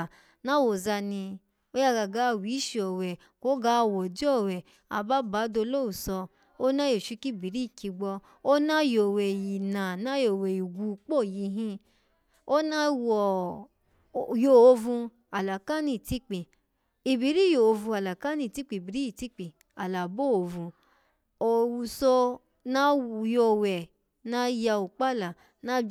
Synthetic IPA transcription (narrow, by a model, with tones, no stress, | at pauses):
nã˦wo˨za˧nĩ˧ | o˦ja˧ɡa˨ɡa˧˦˧wi˨˦ʃi˧ɔ˨wɛ˨ | ko˨˦ɡa˦˧˨wɔ˨d͡ʒɔ˦˨wɛ˨ | a̰˨ba˦ba˨˦do˧lo˦wu˨sɔ˧ | o˦nã˦jo˨ʃi˧ki˦˨bi˨ɾi˦˨ki˧ɡ͡bɔ˧ | o˦nã˦jo˨wɛ˨ji˨nã˨nã˦jo˨we˨ji˨ɡʷu˧k͡po˦˨ji˧˦ɦĩ˧˦ | o˦nã˦wɔ˨ | jo˨o˧vũ˧ | a˨la˨ka˦nĩ˧˨ti˦k͡pi˨ | i˨bi˨˦ɾi˦jo˨o˧vũ˧a˨la˨ka˦nĩ˧˨ti˦k͡pi˨˧˨bi˨ɾi˦i˨ti˦k͡pi˨ | a˨la˨bo˦˨o˨˧˨vũ˧ | o˨wu˧sɔ˧ | nã˦˧jo˧wɛ˨ | nã˦ja˧u˨k͡pa˦la˨ | nã˦